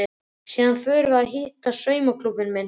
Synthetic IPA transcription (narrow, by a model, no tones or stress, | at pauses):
ɪ | siːðanfœːɾvaɦɪːht̪asœːɥmakʰlupɪnmɛn